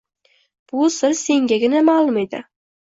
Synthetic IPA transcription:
b̥ʊsɪɾse̞ŋɡʲaɡʲɪnamalˠʊme̞d̪ɪ̰

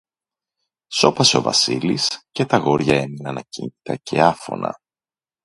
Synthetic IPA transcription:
so̞pɐseo̞vɐ̰silisce̞t̪ɐɣo̞ɾʝɐe̞minɐnɐcint̪it̪ɐcʰe̞ɐfo̞̰nɐ̰

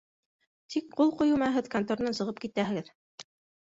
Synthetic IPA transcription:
t̪ik̚qulˠqujɤ̆mɑɦɘðkant̪oɾnɤnsɤ̆ʁɤpkit̪æɦɘ̆ɡɘð

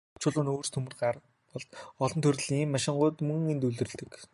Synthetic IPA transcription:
t͡ɕʰʊɮʊːnoːrst̪ʰɵmɘ̆rɢar | pɔɮt̪ɔɮɞ̆nt̪ʰɵr̆ɮiːŋiːmːaʃɪ̆ɴɢʊːt̪mɵŋent̪uɮɘ̆ɮt̪ɘ̆k

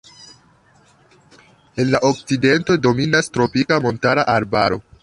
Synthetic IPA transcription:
e̞nlaʔo̞k̚t͡side̞nto̞do̞minastɾo̞pikamo̞ntaɾaʔaɾba̰ɾo̞̰

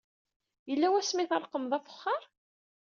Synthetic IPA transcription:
jəlːæwæsmiθəɾˤqəmðˤæfə̥χːɑɾˤ

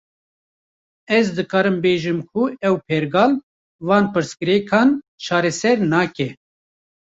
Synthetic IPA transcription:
ɛzd̪ɨkɑːɾɨmbeːʒɨmkʰuɛwpʰɛɾɡɑːl | vɑːnpɨɾskɨɾɛːkʰɑːn | t͡ʃʰɑːɾɛsɛɾnɑːkɛ

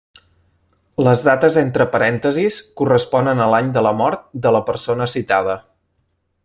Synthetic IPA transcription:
ləzðat̪əzent̪ɾəpəɾɛnt̪əziskurəspɔnənəlaɲd̪ələmɔɾt̪̚d̪ələpəɾsonəsit̪að̞ə

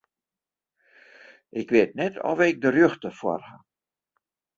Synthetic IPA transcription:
ʔɪkʋeːt̚nɛtʰɔ̰vɪk̚dərjøxtəfwɔ̰rha

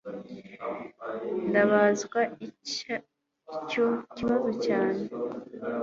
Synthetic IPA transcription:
ndaβazɡwaia | co̞ciβazo̞caːne

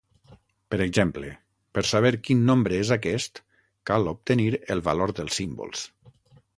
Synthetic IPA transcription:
pəɾəɡzemplə | pəɾsaβ̞eɾkinːõmbɾəezakɛst̪ | kalop̚t̪əniɾəlˠβaloɾd̪əlˠsːimbo̰lˠs

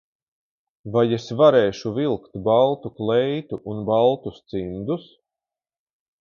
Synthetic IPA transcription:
vajesvaɾeːʃuvilˠkt̪balˠt̪uklˠɛjt̪uʔːnbalˠt̪ust̪sind̪us

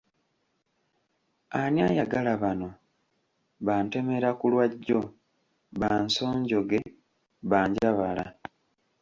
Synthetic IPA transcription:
anjajaɡalaβano̞ | βaːnte̞me̞ɾakulwaɟːo̞ | βaːnso̞ːɲɟo̞ɡe̞ | βaːɲɟaβala̰

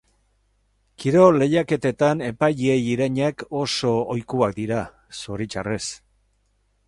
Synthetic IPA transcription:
kiɾo̞le̞jake̞t̪e̞t̪ane̞paʎie̞jiɾaɲako̞so̞ojkuak̚d̪iɾa | soɾit͡ʃa̰re̞s

